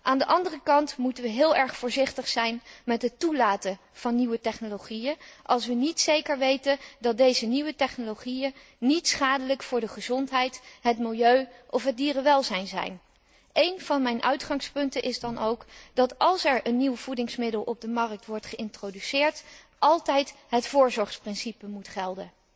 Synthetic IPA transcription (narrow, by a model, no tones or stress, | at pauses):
ʔaːndəʔɑndərəkɑntmutəʋəɦɪːlˠʔɛɹχfʊːɹzɪχtəχsɛjnmɛtɦətulaːtə | v̥ɑnːiʋətɛχnoloχijənʔɑlˠs̬ʋənitsejkəɹʋejtəndɑt̚dejzəniʋətɛχnoloχijən | nitsχaːdələkfʊːɹdəχəzɔntɦɛjtɦətmɪlˠjøɥʔɔfɦət̚diːrəʋɛlˠzɛjnzɛ̰jn | ʔejnvɑnmɛjnʔœ̰ɥtχɑŋspɵntənʔɪzdɑnʔowkd̥ɑtɑlˠsɛɹənːiwv̥udɪŋsmɪdəlˠʔɔb̚dəmɑrək̚tʋɔɹtχəɪntrodysɪːɹt | ʔɑlˠtɛjtɦətfʊːɹzɔɹχsprɪnsipəmutχɛlˠdə